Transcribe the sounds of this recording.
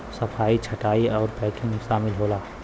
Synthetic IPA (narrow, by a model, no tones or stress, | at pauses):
səpʰaːit͡ʃʰəʈaːiɔːɾpɛːkɪ̃ŋɡʃaːmɪlɦoːlaː